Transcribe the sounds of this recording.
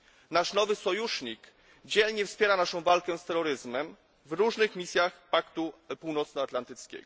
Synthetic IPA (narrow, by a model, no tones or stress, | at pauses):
naʂnɔvɘsɔjuʂɲik | d͡ʑɛlɲɛfspʲjɛɾanaʂɔ̃w̃valkɛ̃st̪ɛɾɔɾɘzmɛm | vɾuʐnɘxmʲisʲjaxpakt̪upuwnɔt̪snɔat̪lant̪ɘt̪skʲɛ̰ɡ̥ɔ